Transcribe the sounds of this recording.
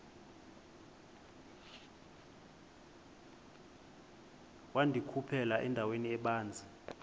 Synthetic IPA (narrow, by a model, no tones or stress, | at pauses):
wandʱikʰupʰɛlaʔɛndʱaweniɛɓaːnd͡zʱi